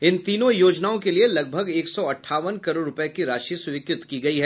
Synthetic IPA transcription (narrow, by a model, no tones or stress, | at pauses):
ɪnt̪iːnõjoːd͡ʒnaːõkelielɐɡ̚bʱəɡeːksɔɐʈʰːaːʋənkɐɾoːɾʊpɛkiɾaːʃisʊʋɪkɾɪt̪kiɡɐiɦɛː